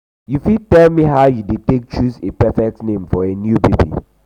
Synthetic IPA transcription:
jufid̚tɛlmiɦaʊjudetek̚t͡ʃuzepɛfɛk̚tnẽmfɔenjubebḭ

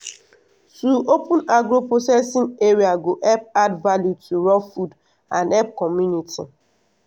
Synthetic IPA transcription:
tuopũnaɡɾoposɛsĩŋeɾiaɡoʔɛp̚advaljutʰuɹɔfud | ãnɛp̚kɔmjuniti

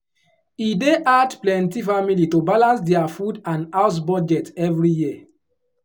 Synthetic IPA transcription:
ideʔadplɛ̃ntifamilitobalãnsdɛafudãnaʊs̬bɔd͡ʒɛtɛvɹijiə

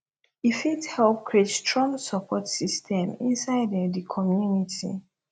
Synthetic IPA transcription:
ifithɛlp̚kʰɹet͡ʃtʰɹɔ̃msɔpʰɔtsistʰɛ̃mḭ̃nsaɪdɛ̃dikʰɔmjunitʰḭ

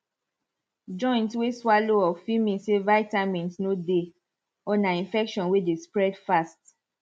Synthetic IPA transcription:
d͡ʒɔ̃j̃ntweswaloɔfimĩnsevaɪtamĩntnode | ɔnaĩnfɛkʃɔ̃nwedespɹɛdfast

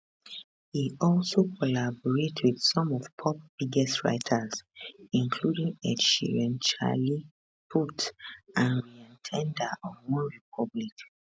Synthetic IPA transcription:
hiɔlsokʰɔlabɔɹetʰwið̥sɔ̃mɔv̥pʰɔp̚b̥iɡɛstɹa̰ɪtʰasĩŋkʰludĩŋɛʃḭɹɛ̃nt͡ʃa̰li | pʰutãnɹiɛ̃ntʰɛ̃ndaʔɔ̃nwɔ̃nɹip̚ʰɔblik

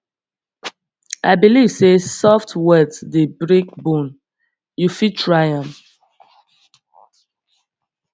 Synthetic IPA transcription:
ʔa̰ɪbiliv̥sesɔftwɛtdebɹĩk̚bõn | jufitʰɹajãm

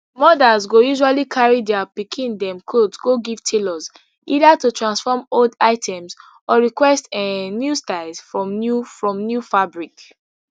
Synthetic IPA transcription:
mɔdazɡojuʒalikʰaɹidɛapikʰĩndɛ̃mkʰodsɡoɡiv̥tʰelɔz | idatutɹãnsfɔmoldaɪtʰɛ̃mz | ɔɹikwɛstɛnjustaɪlzfɹɔ̃mnufɹɔ̃mnjufabɹik

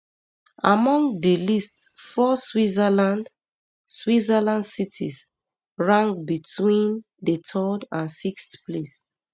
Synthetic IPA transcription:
ʔamɔ̃ŋɡdəlistfɔswizəlãnd | swizəlãndsitʰḭs | ɹãŋbitʰwĩn | dətʰɔdãnsikstples

